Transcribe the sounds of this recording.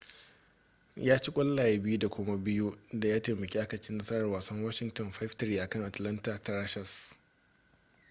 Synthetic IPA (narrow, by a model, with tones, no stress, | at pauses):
jaː˦t͡ʃi˦kʷʼɐ˦lːaː˨ja˦bɪ˦ju˦da˨kʷʊ˦ma˦bɪ˦ju˦da˨jaː˦teː˨mɐ˨kʲi˦ʔa˦kɐ˨t͡ʃɪ˦nːɐ˦sɐ˦ɾɐ˨rwaː˨sɐ˦ŋwɐ˦ʃɪ˨ŋtɔ˨nɸa˦ftɐ˨ɾiː˦ʔa˨kɐ˦˨ŋʔa˨tlɐ˦nta˨ta˨ɾa˦ʃɐ˨s